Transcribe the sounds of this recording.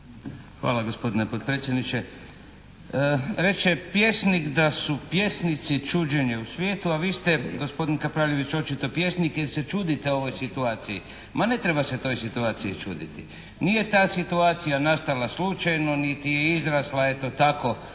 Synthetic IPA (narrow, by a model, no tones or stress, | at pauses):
xʋa̰ːlˠaɡo̞spo̞d̪inepod̪̚pɾet̪sjed̪nit͡ʃe | ɾe̞t͡ʃepje̞snikd̪asupje̞snit̪sit͡ʃuːd͡ʒeɲeusʋjeːt̪uaʋiːst̪eɡo̞spo̞d̪inkapɾaːʎe̞ʋit͡ʃo̞t͡ʃit̪o̞pje̞snikjese̞t͡ʃuːd̪it̪eo̞ʋo̞jsit̪uaːt̪sijḭ | mane̞t̪ɾe̞base̞t̪o̞ːjsit̪uaːt̪siit͡ʃṵːd̪ḭt̪i | nije̞t̪aːsit̪uaːt̪sijanast̪alaslut͡ʃajno̞nit̪ijeizɾaslae̞t̪o̞t̪ako̞